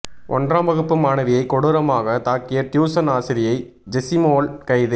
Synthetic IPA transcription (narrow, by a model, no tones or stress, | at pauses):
ʔɔ̰ndraːmbɐɣɯpːɯmaːnɐʋɪjɐɪkːɔɽɯɾɐmaːɣɐt̪aːkːɪjɐt̪juːsɐnaːsɪɾɪjɐɪ | d͡ʒɛsɪmoːlkɐɪðɯ